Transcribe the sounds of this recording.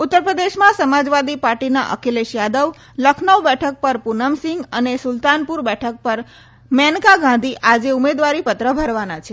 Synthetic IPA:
ut̪ːəɾpɾəd̪eʃmãsəmad͡ʒʋad̪ipaɾʈinaʔə̰keleʃjad̪əʋ | ləkʰnəʋbɛʈʰək̚pəɾpunəmsɪŋɡənesʊlt̪anpuɾbɛʈʰək̚pəɾ | mɛnkaɡãnd̪ʱiʔad͡ʒeumed̪ʋaɾipət̪ɾəbʱəɾʋanat͡ʃʰe

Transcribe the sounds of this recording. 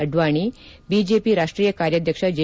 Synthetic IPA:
əɖʋaɽ̃i | bid͡ʑepiːɾaʂʈɾiːjəkaɾjad̪ʱjəkʂad͡ʑe

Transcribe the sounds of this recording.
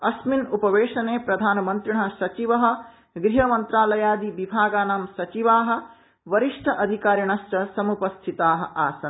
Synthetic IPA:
ɐsminupɐʋeːʂɐneːpɾɐd̪ʱaːnɐmɐnt̪ɾiɳɐsɐt͡ʃiʋɐɦɐ̆ | ɡɾiɦɐmɐnt̪ɾaːlɐjaːd̪iʋibʱaːɡaːnaːmsɐt͡ʃiʋaːɦɐ̆ | ʋɐɾiʂʈʰɐʔɐd̪ʱikaːɾjɐɳɐst͡ʃɐsɐmupɐst̪ʰit̪aːɦɐ̰̆ʔaːsɐn

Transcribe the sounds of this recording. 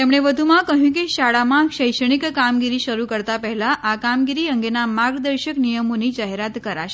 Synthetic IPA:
t̪emɽ̃eʋəd̪ʱumãkəɦjũk̬iʃaɽamãʃəjʂəɳ̃ikkamɡiɾiʃəɾukəɾt̪apɛɦɛlaʔakamɡiɾiəŋɡenamaɡd̪əɾɕəknijəmonid͡ʒaɦeɾat̪kəɾa̰ʃe

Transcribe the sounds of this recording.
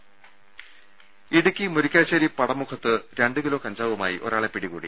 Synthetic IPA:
iɽukʲːimuɾikʲːaːt͡ɕːɐːɾipɐɽɐmukʰɐt̪ːɨɾe̞ɳɖɨkilo̞ːkɐɲd͡ʑaːʋumaːjiʔo̞̰ɾaːɭe̞piɽikṵːɽḭ

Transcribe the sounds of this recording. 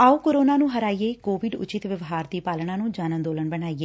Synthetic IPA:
aːuːkoːɾoːnaːnũːɦəɾaːiːeːkoːʋɪɖʊ̰t͡ʃɪt̪ʋəʋɦaːɾd̪iːpaːlɳãːnũːd͡ʒaːnə̃nd̪oːləɳbənaːieː

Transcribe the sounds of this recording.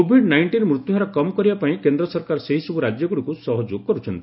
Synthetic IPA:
obʱiɖnajɳʈinmɾut̪juɾɔkɔmɔkɔɾibapaĩkend̪ɾɔsɔɾkaɾɔseɦisɔbuɾad͡ʒjɔɡuɽikusɔɦɔd͡ʒoɡkɔɾut͡ʃʰɔnt̪ii

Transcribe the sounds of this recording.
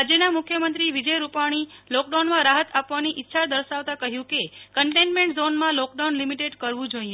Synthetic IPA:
ad͡ʒenamʊkʰːjəmənt̪ɾiʋid͡ʒəjɾupaɽ̃ilɔk̚ɖawnmãɾaɦət̪apʋaniʔɪtːʃʰad̪əɾʃaʋt̪ãkəɦjũkekəɳʈenmẽɳʈzonmãlɔk̚ɖawnlimiʈeɖkəɾʋũd͡ʒoie

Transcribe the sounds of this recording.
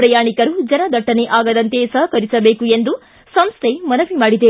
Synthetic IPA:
ɾɐjaːɳikɐɾud͡ʒɐnɐd̪ʱɐʈːɐneʔaːɡɐd̪ɐnt̪esɐɦɐkɐɾisɐbeːkuend̪u | sɐmst̪ʰemɐnɐʋimaːɽid̪e

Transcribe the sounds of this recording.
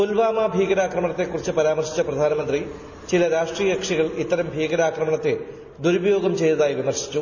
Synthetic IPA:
tolʋaːmaːbʱiːɡɐɾaːkrɐmɐɳɐt̪ːe̞kːurit͡ɕːɨpɐɾaːmɐrɕi̥t͡ɕːɐprɐd̪ʱaːnɐmɐnd̪ri | t͡ɕilɐɾaːʂʈrijɐɐkʂiɣɐɭit̪ːɐɾɐmbʱiːɣɐɾaːkrɐmɐɳɐt̪ːe | d̪uɾubɐjo̞ːɡɐmt͡ɕe̞jt̪ɐðaːjiʋimɐrɕi̥t͡ɕːu

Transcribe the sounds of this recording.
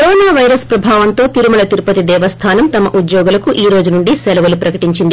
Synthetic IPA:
kɐɾoːnaːʋɐjɾɐspɾɐbʱaːʋɐnt̪o̞ːt̪iɾumɐlɐt̪iɾupɐt̪id̪ɛːʋɐst̪ʰaːnɐmt̪ɐmɐʔud̪jɔːɡulɐkuʔiːɾo̞ːd͡ʒunuɳɖisɛlɐʋɐlupɾɐkɐʈiɲt͡ʃind̪i

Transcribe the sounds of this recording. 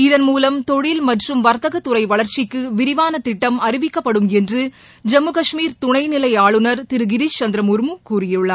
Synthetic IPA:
ɪðɐnmuːlɐmt̪ɔɻɪlmɐʈrɯmʋɐɾt̪ɐɣɐt̪ːʊɾɐɪʋɐɭɐɾt͡ʃɪkːɯʋɪɾɪʋaːnɐt̪ːɪʈːɐmɐɾɪʋɪkːɐpːɐɽɯmɛndrɯ | d͡ʒɛmːɯkɐʂmiːɾt̪ʊɳɐɪnɪlɐɪaːɭɯnɐɾt̪ɪɾɯɡɪɾist͡ʃɐnd̪ɾɐmʊɾmɯkuːrɪjɯɭːɐ

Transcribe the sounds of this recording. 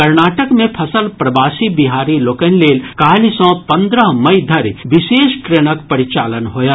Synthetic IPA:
ɐɾnaːʈəkmẽpʰɐsəlpɾɐbaːsibiɦaːɾiloːkənleːlkaːlisɔ̃pɐ̃nd̪ɾəɦmɐid̪ʱɐɾʋɪʃeːʃkɾeñəkpɐɾɪt͡ʃaːlənɦoːjaː

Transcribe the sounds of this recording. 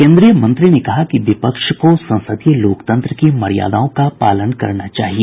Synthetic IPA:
kẽːnd̪ɾijəmɐ̃nt̪ɾinekɐɦakiʋɪpəkʃkosɐ̃nsəd̪ijəloːkt̪ə̃nt̪ɾəkimɐɽija̰ːd̪aːõkapaːlənkɐ̰ɾnat͡ʃa̰ːɦie

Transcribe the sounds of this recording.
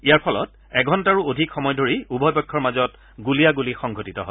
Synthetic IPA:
ijaɹpʰɔlɔ̰t | ɛɡʱɔntaɹuodʱikxɔmɔjdʱoɹiubʱɔjbɔkʰːɔɹmazɔt | ɡulijaɡulixɔŋɡʱotitɔɦɔ̰

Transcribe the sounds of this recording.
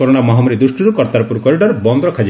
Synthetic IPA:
ɔɾoɽ̃amɔɦamuɾid̪uʃʈuɾukɔɾt̪aɾpuɾkɔɾiɖɔɾbɔnd̪ɾɔkʰad͡ʒi

